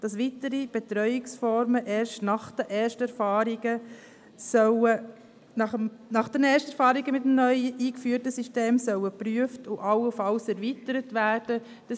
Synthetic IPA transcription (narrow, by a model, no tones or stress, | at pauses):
d̥ɑsʋitəɾib̥etɾœʏɪksfɔɾməʔeːɾʃtnɑχd̥ɛʔeːɾʃtɛɾfɑːɾiɡ̥ə | sœwə | nɑəmnɑχd̥ɛnɛːɾʃtɛɾfɑːɾiɡəmɪtəmnœʏəʔiːkfyːɾtəsyʃteːmsœwəpɾyəftʊʔɑləfɑlsɛɾvitəɾətʋæːɾd̥ə | d̥ɑ